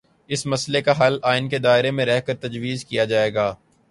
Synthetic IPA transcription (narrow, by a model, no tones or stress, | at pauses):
ɪsmɐslekaɦɐlaːɪnked̪aːɪɾemẽɾɛɦkɐɾt̪ɐd͡ʒʋiːzkijad͡ʒaːeːɡaː